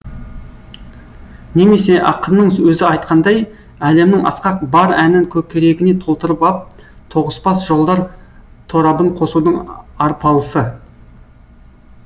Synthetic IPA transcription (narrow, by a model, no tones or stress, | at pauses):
ne̞me̞se̞ʔɑqənːəɴwɵzɪɑjt̪̚qʰɑnd̪ɑj | æle̞mnɪŋʔɑ̰sqɑq̚bɑɾænɪŋkʲʰɵkʲʰe̞ɾe̞ɡʲɪne̞t̪ʰo̞lˠt̪əɾəpɑp̚ | t̪ʰo̞ʁə̥spɑsʒo̞lˠd̪ɑɾt̪ʰo̞ɾɑbəɴqʰo̞sud̪əɴɑɾpʰɑlˠəsə